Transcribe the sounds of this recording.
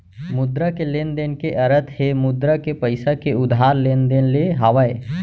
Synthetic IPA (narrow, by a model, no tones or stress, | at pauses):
mʊd̪ɾakeleːnd̪eːnkeʔɐɾət̪ʰhemʊd̪ɾakepɐɪsakeʊd̪ʱɦaːɾleːnd̪eːnleɦaːʋae